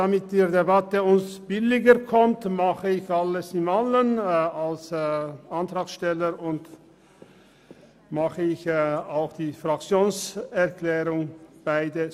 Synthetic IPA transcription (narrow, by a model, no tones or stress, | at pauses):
d̥amɪt̚diːʁdebatəʊnsb̥ɪlɪɡəkʰɔmtmaχəɪçaləsɪmalənalsantʁ̥aːksʃtɛləʁʊnt | maχəɪçaʊxd̥iːfʁ̥akt͡sjoːnsɛʁklɛːʁʊŋb̥aɪdə